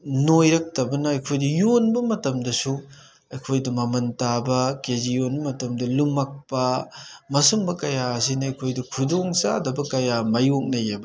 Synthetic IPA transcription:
nojɾɐk̚tɐbɐnɐɐjkʰojdɐjonbɐmɐtɐmdɐsu | ɐjkʰojdɐmɐmɐntabɐkezijonbɐmɐtɐmdɐlumak̚pɐmɐsuŋbɐkɐjaɐsinɐɐjkʰojdɐkʰudoŋsa̰dɐbɐkɐjamɐjok̚nɐjɐbɐ

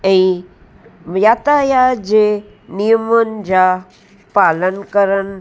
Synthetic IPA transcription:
ɛ̃ː | jaːt̪ajad͡ʑeː | nijəmənɪ̆d͡ʑaː | paːlənkəɾən

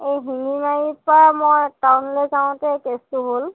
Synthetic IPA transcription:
ejɦinimajipɹamojtawnlɛzaʊ̃tɛkestʊɦol

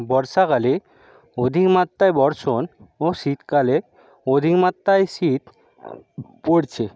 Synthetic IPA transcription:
bɔɾʃakale | od̪ʱikmat̪ːajbɔɾʃonoʃit̪kale | od̪ʱikmat̪ːajʃit̪ | poɾt͡ɕʰe

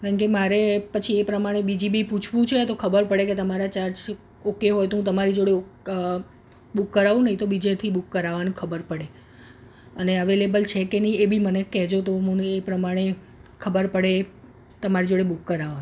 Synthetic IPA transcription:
kaɳkemaɾepət͡ʃʰiepɾəmaɽ̃ebid͡ʒibʱiput͡ʃʰʋũt͡ʃʰet̪okʰəbəɾpəɽeket̪əmaɾat͡ʃaɾd͡ʒ | okːeɦojt̪oɦũt̪əmaɾid͡ʒoɽeo | bukːəɾaʋũnəɦĩt̪obid͡ʒet̪ʰibukːəɾaʋanũkʰəbəɾpəɽe | əneəʋelebəlt͡ʃʰekenəiebʱimənekɛɦd͡ʒot̪oɦũepɾəmaɽ̃e | kʰəbəɾpəɽe | t̪əmaɾid͡ʒoɽebukːəɾaʋañ

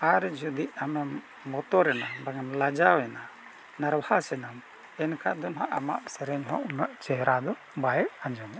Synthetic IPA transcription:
aɾd͡ʒɔd̪iʔamɛmː | ɔt̪ɔɾɛnabaŋɛmlad͡ʒawɛna | naɾwahasɛnam | ɛnkʰad̪ɔnɦaʔama̰ʔsɛɾɛɲɦɔ̰̃ʔunaʔt͡ʃɛɦɾad̪ɔ | bajɛʔaɲd͡ʒɔɲa

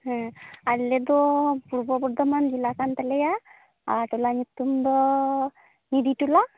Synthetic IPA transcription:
ɦɛ̃alːed̪ɔpuɾbɔbuɽd̪ɔmanɡ̪ilakant̪əleja | a̰ʈulaɲit̪ːumd̪ɔ | nid̪iʈula

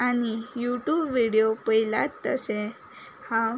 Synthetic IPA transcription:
anijuʈjubʋiɽijopəila̰t̪ːə̰se | hã

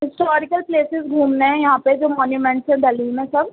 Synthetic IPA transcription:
ɦɪsʈɔːɾɪkəlpleːsɪzɡʱuːmneɦɛ̃jɐɦãped͡ʒoːmɔːnjumɛ̃ɳʈsɦɛ̃d̪ɐlimẽsɐb̚

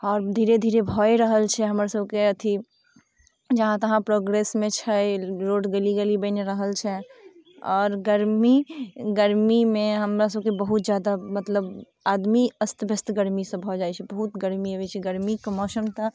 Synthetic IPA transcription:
ɔːɾd̪ʱiːɾed̪ʱiɾebʱɔeɾəɦəlt͡ʃʰɛɦəmɾasəbkeət̪ʰi | d͡ʒəɦãt̪əɦãpɾoɡɾesmẽt͡ʃʰɛɾoɖɡeliɡelibəɪneɾəɦəlt͡ʃʰɛ | ɔːɾɡəɾmiɡəɾmimẽɦəmɾasəb̚kebəɦut̪̚d͡ʒjad̪amət̪ləb | ad̪miəst̪bʱəst̪ɡəɾmisə̃bʱɔd͡ʒajt͡ʃʰɛbəɦut̪ɡəɾmiəbɛt͡ʃʰɛɡəɾmikmɔːsəmt̪ə

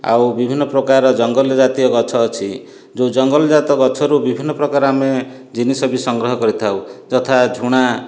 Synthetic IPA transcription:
a̰wbibʱinːɔpɾɔkaɾɔd͡ʒɔŋɡɔld͡ʒat̪ijɔɡɔt͡ʃʰɔːt͡ʃʰi | d͡ʒod͡ʒɔŋɡɔld͡ʒat̪ɔɡɔt͡ʃʰɔɾubibʱinːɔpɾɔkaɾame | d͡ʒinisɔbisɔŋɡɾɔɦɔkɔɾit̪ʰawd͡ʒɔt̪ʰad͡ʒʱuɽ̃a

